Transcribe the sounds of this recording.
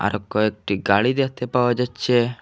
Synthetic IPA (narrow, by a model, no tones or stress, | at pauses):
a̰ɾɔkːɔek̚ʈiɡaɭid̪et̪epawɔd͡ʒat͡ʃːt͡ʃʰe